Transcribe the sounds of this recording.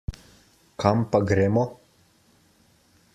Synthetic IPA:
kʰampaɡɾeːmɔ

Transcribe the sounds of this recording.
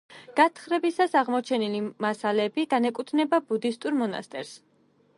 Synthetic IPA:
ɡ̥at̪ʰχɾɛbisasaʁmɔt͡ʃʰɛnilimasalɛbiɡanɛkʼut̪ʰnɛbabud̪ist̪ʼuɾmɔna̰st̪ʼɛɾs

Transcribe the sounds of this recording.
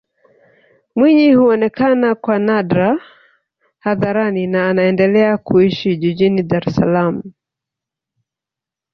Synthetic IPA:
mwiɲihuɔnɛkanakwanadɾa | haðaɾaninaːnaɛndɛlɛakuiʃiʄiʄiniɗaɾɛsa̰lamu

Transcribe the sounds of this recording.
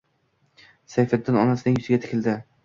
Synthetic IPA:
sajfɪd̪ːɪnɒnasɪnɪŋjɵzɪɡʲat̪ʰɪ̥kʲʰɪld̪ɪ

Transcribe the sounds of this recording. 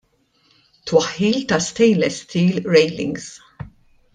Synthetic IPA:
t̪wɐħːiːlt̪ɐst̪ɛjlɛst̪ʰiːlɾɛjlɪ̰̃ŋɡz̥

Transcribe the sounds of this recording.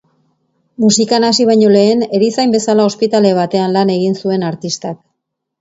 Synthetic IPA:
musikanasiβ̞aɲo̞le̞ːne̞ɾisajmbe̞salao̞spit̪ale̞β̞at̪e̞anlane̞ɣ̞insue̞naɾt̪ist̪ak̚

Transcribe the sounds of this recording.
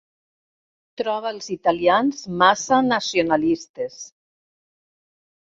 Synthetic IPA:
t̪ɾɔβ̞alˠzit̪alianzmasanasionalist̪es

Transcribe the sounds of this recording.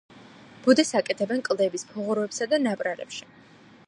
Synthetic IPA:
b̥ud̪ɛsakʼɛt̪ʰɛbɛnkʼlˠd̪ɛbispʰɔʁuɾɔɛpsad̪anapʼɾalɛ̰pʃi̥

